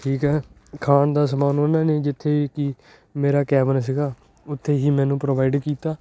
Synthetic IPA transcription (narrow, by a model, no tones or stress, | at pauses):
ʈʰiːkɦɛː | kʰaːnd̪aːsəmaːnoːnaːneːd͡ʒɪt̪ʰːeːikiː | meːɾaːkɛːʋəns̬ɪɡaː | ʊt̪ʰːeːɦiːmɛ̃ːnũːpɾoːʋaːɪɖkiːt̪aː